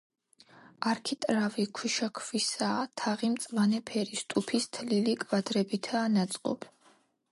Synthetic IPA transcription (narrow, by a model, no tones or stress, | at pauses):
aɾkʰit̪ʼɾavikʰwiʃakʰvisaːt̪ʰaʁimt̪sʼvanɛpʰɛɾist̪ʼupʰist̪ʰlilikʼvad̪ɾɛbit̪ʰaːnat̪sʼqʼɔ̰pʰ